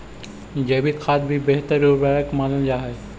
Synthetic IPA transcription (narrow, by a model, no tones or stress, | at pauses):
d͡ʒɛːbʱikʰaːd̪̚bʱibeɦt̪əɾubaɾəkmaːnəld͡ʒaːɦɛː